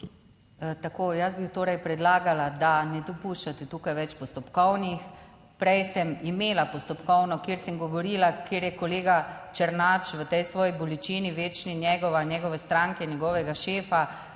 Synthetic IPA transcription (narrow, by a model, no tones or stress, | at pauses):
t̪akoːjazbiwt̪oːɾɛjpɾɛd̪laːɡalad̪anɛd̪ɔpuʃt͡ʃat̪ɛt̪uːkajʋɛt͡ʃpɔst̪ɔpkɔwnix | pɾɛjsɛmimeːlapɔst̪ɔpkɔwnɔkjeːɾsɛmɡɔʋɔɾiːlakeːɾjɛkoleːɡat͡ʃəɾnat͡ʃʋət̪ɛjsʋɔːjibɔlit͡ʃiːniʋeːt͡ʃninjɛɡɔʋanʲjɛɡɔʋɛst̪ɾaŋkɛnjɛɡɔːʋɛɡaʃeːfa